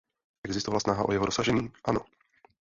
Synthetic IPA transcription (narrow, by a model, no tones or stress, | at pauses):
ʔɛɡzɪst̪ovalasnaɦa̰ʔojɛɦodosaʒɛɲiːʔano̞